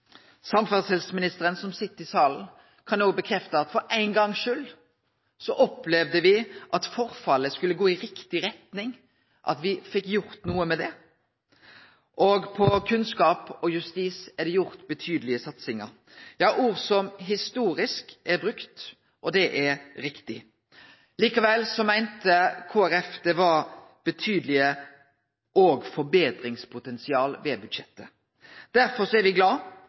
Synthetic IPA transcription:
sɑmfæʁshɛlsmɪnɪst̪əɾənsɔmsɪt̪ːəɪsɑːln̩ | kʰɑnoːɡ̚bəkʰɾɛft̪əɑt̪fɔɾæɪnɡɑŋːʃʉːl | sɔʔɔplɛʋd̪əʋɪʔɑt̪fɔʁfɑlːəskʉlːəɡoːɪʁɪkt̪ɪʁɛt̪nɪŋ | ʔɑ̰t̪ʋɪfɪkːjʊɾt̪nuːəmɛd̪ɛ | ʔɔɡpʰɔkʰʉnskɑːpɔjʉst̪iːsæd̪ɛjʊɾt̪bət̪ʰyːd̪əlɪəsɑt̪sɪŋə̰ɾ | jɑːʔuːʁsɔmɦɪst̪uːɾɪskʔɛɾbɾʉkt̪ | ʔɔd̪ɛʔɛɾɾɪkt̪ɪ | liːkɑʋɛlsɔmæɪnt̪əkʰoːæɾɛfd̪ɛʋɑɾ | b̥ət̪ʰyːd̪əlɪə | ʔoːɡfɔɾbeːt̪ɾɪŋspʰʊt̪ɛnsɪɑːlʋɛbʉd̪ʃɛt̪ːə | d̪̥æɾfɔsɔæɾʋɪɡlɑː

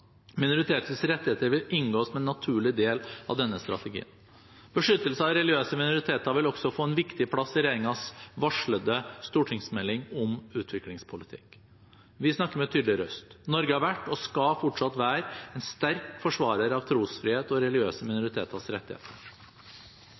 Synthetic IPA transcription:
mɪnʊɾɪt̪ʰeːt̪əsɾɛt̪ːɪheːt̪əɾʋɪlɪŋɡoːsmɛnːɑt̪ʰʉːɭɪd̪eːlɑ̰ʋd̪ɛnːəst̪ɾɑ̰t̪əɡḭːən | b̥əʂʏt̪ːəlsəɑʋɾɛlɪøːsəmɪnʊɾɪt̪ʰeːt̪ɑʋɪlɔksɔfoːɛnʋɪkt̪ɪpʰlɑsːɪɾeːɾɪŋɑsʋɑʂɭəd̪əst̪uːʈʰɪŋsmɛlːɪŋɔmʉːt̪ʰʋɪklɪŋspʰʊlɪt̪ʰɪ̰k | ʋɪsnɑkːəɾmɛt̪ʰyːd̪lɪɾœ̰st̪nɔɾɡəhɑɾʋæʈːɔskɑfɔʈʂɑt̪ʋæːɾɛnst̪æɾkfɔʂʋɑːɾəɾɑʋt̪ʰɾuːsfɾɪheːt̪ɔɾɛlɪøːsəmɪnʊɾɪt̪ʰeːt̪əsɾɛt̪ːɪhḛːt̪ʰəɾ

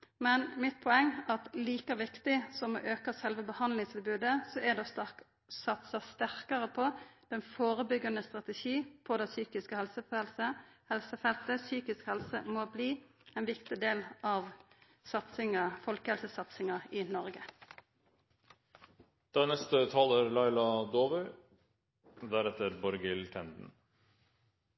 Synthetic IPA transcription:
mɛnmɪt̪̚pʰɔɛŋːɑt̪liːkɑʋɪkt̪ɪsɔmo̰ːʔøːkɑsɛlʋəbəhɑnd̪lɪŋst̪ʰɪlbʉːd̪əsɔæd̪ɛ | sɑt̪səst̪æɾkəʁəpʰɔd̪̥ɛnfoːɾəbʏɡːɑnəst̪ʁɑt̪əʃiːpʰɔd̪ɛsyːkɪskəhɛlsəfɛlsəhɛlsəfɛlt̪əsyːkɪskhɛlsəmɔbliː | ɛːnʋɪkt̪ɪd̪eːlʔɑʋ | sɑt̪sɪŋəfɔlkəhɛlsəsɑt̪sɪŋɑɪnɔʁɡə | d̪̥ɑnɛst̪ət̪ʰɑːləɾlɑɪlɑd̪oːʋœ | d̪æɾɛt̪əɾbɔɾɡɪlk̪ʰɛnd̪n̩

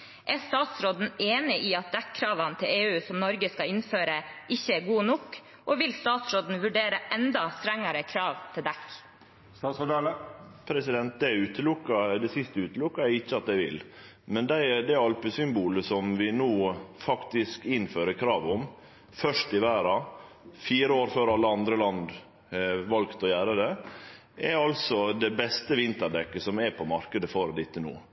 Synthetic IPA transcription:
ʔæst̪ɑːt̪sɾoːd̪n̩eːnɪʔiːɑt̪̚d̪ɛkʰːɾɑːʋɑnt̪ʰɪleːʉːsɔmnɔɾɡəskɑɪnføːɾəʔɪçːəɡuːnʊkː | ʔɔʋɪlst̪ɑːt̪sɾod̪n̩ʋʉɖeːɾəʔɛnd̪ɑst̪ɾɛŋːɑɾəkʰɾɑːʋt̪ʰɪld̪ɛkː | pʰɾɛsɪd̪ɛnt̪̚d̪ɛʉːt̪əlʊkːɑd̪ɛsɪst̪əʉːt̪əlʊkːɑæɾɪçːəɑt̪̚d̪æɪʋɪ̰l | mɛnd̪æɪd̪æɑlpəsʏmbuːləsɔmʋɪnuːfɑkt̪ɪskɪnføːɾəkʰɾɑːʋɔm | fœʂtɪʋæːɾɑ | fiːɾəoːɾføːɾɑlːəɑnd̪ɾəlɑnd̪ | ʋɑlɡt̪ɔjæːɾəd̪ɛ | ʔɛɾɑlsɔd̪ɛbɛst̪əʋɪnt̪əɖ̪ɛkːəsɔmɛpʰɔmɑɾkəd̪əfɔɾd̪ɪt̪ːənṵː

